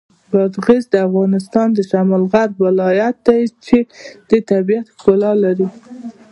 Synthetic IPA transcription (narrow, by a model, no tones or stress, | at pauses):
bɑd̪ɣizd̪əafɣɑnɪst̪ɑnd̪əʃamɑlɣaɾwɪlɑjat̪̚d̪ajt͡ʃed̪̥et̪abijat̪xkʊlɑlaɾi